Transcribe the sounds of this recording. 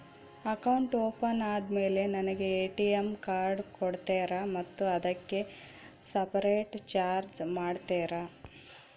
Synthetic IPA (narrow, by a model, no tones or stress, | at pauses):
ɐkɐwuɳʈoːpɐnaːd̪me̞ːle̞nɐnɐɡe̞eːʈijemkaːɾɖkɔɽt̪eːɾamɐt̪ːuɐd̪ɐkːe̞ | sɐpɐɾeːʈt͡ʃaːɾd͡ʒmaːɖt̪eːɾa